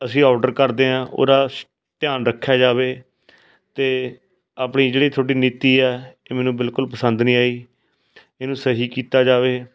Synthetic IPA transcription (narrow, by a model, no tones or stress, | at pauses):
əsĩːɔːɖəɾkəɾd̪eːãːʔo̰ːɾaː | t̪ɪjãːnɾəkʰːjaːd͡ʒaːʋeː | t̪eː | aːpɳiːd͡ʒeːɽiːt̪ʰoːɽiːniːt̪iːɛːeːmɛːnũːbɪlkʊlpəsə̃nd̪nĩːaːiː | eːnũːsəɦiːkiːt̪aːd͡ʒaːʋeː